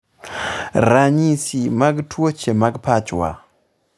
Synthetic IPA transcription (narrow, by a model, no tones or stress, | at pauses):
ɾaɲisimaɡtʰwot͡ʃemaɡpat͡ʃwa̰